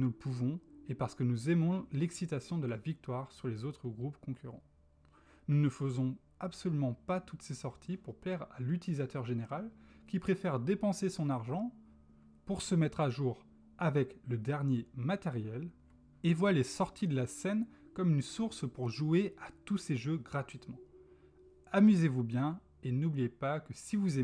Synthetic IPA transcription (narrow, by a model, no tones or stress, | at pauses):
nuləpuvɔ̃epaʁsə̥kənuzɛmɔ̃lɛksit̪asjɔ̃d̪əlavik̚t̪waʁsyʁlezot̪χəɡʁupkɔ̃kʲyʁɑ̰̃ | nunəfəzɔ̃ | apsɔlymɑ̃pat̪ut̪sesɔʁt̪ʰipuʁplɛʁalyt̪ilizat̪œʁʒeneʁalkʲipχefɛʁd̪epɑ̃sesɔ̃naʁʒɑ̃ | puʁsəmɛt̪χaʒuʁ | avɛkləd̪ɛʁnjemat̪eʁjɛl | evwalesɔʁt̪ʰid̪əlasɛnkɔmynsuʁspuʁʒueat̪useʒøɡʁat̪ɥit̪mɑ̃ | amyzevubjɛ̃ | enublijepakəsivuze